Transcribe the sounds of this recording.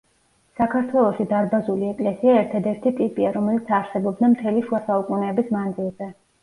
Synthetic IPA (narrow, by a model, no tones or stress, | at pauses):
sakʰaɾt̪ʰwɛlˠɔʃid̪aɾbazuliɛkʼlɛsiaɛɾt̪ʰad̪ɛɾt̪ʰit̪ʼipʼiaɾɔmɛlit̪sʰaɾsɛbɔbd̪amt̪ʰɛliʃuasaukʼunɛːbismand̪zilˠzɛ